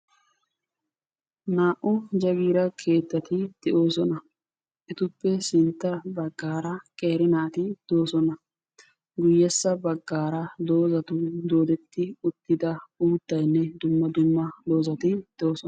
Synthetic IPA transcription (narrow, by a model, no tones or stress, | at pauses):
naːʔʊd͡ʒɐɡiːɾɐkʰe̞ːt̪ːɐt̪ɪd̪̥ɛʔo̞ːsɔnɐ | ʔɪt̪ʊpːɛsɪnt̪ːɐbɐɡːaːɾɐkʼeːɾɪnaːt̪ɪd̪̥o̞ːsɔnɐ | ɡʊjːɛsːɐbɐɡːaːɾɐd̪o̞ːzɐt̪ʊd̪o̞ːd̪ɛt̪ːɪʊt̪ːɪd̪ɐuːt̪ːɐjnːɛd̪ʊmːɐd̪ʊmːɐd̪o̞ːzɐt̪ɪd̪̥oːsɔ